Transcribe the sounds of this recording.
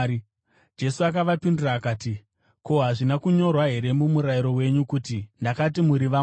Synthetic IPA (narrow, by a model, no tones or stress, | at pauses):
d͡ʒe̞suak̬aʋapinduraːkaːti | ko̞ɦaʐinakuɲo̞rwaɦe̞ɾe̞mumuɾaiɾo̞we̞ɲukutindakat̬imuɾiʋa